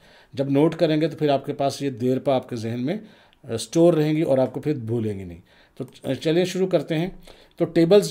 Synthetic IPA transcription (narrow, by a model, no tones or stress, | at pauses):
d͡ʒɐbnoːʈkɐɾẽːŋɡet̪̬opʰɪɾaːp̚kepaːsjed̪eːɾpaaːpkezɪɦənmẽ | sʈoːɾːɐɦẽːŋɡiʔɔːɾaːp̚kopʰɪɾbʱuːlẽːŋɡinɐ̰ɦĩ | t̪ot͡ʃɐlẽʃʊɾukɐɾt̪eɦɛ̃ | t̪oʈeːbəlz